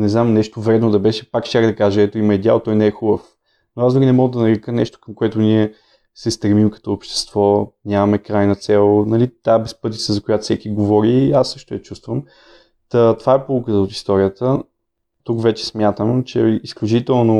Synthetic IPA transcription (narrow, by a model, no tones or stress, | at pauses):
nɛznamnɛʃt̪ovɾɛd̪nod̪ɐbɛʃɛ̥pakʃt͡ʃʲakd̪ɐkaʒɐɛt̪oimɐid̪ʲja̰lˠt̪ɔjnɛɛxubəf | noasmɡʲinɛmɔɡəd̪ɐnɐɾɛkənɛʃt̪o̥kəmkoɛt̪ʊniɛ | sɛst̪ɾɛmimkɐ̥t̪ɔopʃt̪ɛ̥st̪v̥ɔnʲamɐmɛkɾajnət̪sɛlˠnɐlit̪abɛspɤt̪ʲit̪sɛzɐkojat̪fsɛkʲiɡovɔɾiasːɤʃt̪ʊjɐt͡ʃust̪vəm | t̪ət̪ovaɛpulukət̪əot̪i̥st̪ɔɾiət̪ə | t̪ukvɛt͡ʃɛ̥smʲjat̪əmt͡ʃɛisklʲut͡ʃit̪ɛlˠno